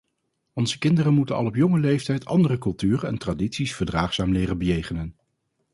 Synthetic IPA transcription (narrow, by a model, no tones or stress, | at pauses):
ɔnzəkɪndərənmutənɑ̰lˠɔpjɔŋəlejftɛjtʰɑ̰ndərəkɵlˠtyːrənɛ̰ntraditsisfəɹdraːχsaːmlɪːrənbəjejχənən